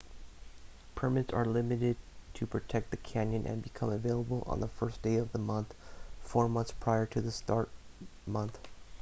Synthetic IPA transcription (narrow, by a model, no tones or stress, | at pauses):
pʰə˞mɨtsə˞lɪmɨɾɪd̚tʰɨpʰɹ̥ɨtʰɛk̚t̪̚ðɨkʰæ̃njɨ̃nʔɨ̰̃nbɨkʰʌ̃məveɪlˠəbl̩ˠʔə̰̃nðəfɜ˞sd̥eɪʌvðəmʌ̃nθfɔɹmʌ̃nθspʰɹ̥aɪə˞ɾʰɨðɨstɑɹt̚mʌ̃nθ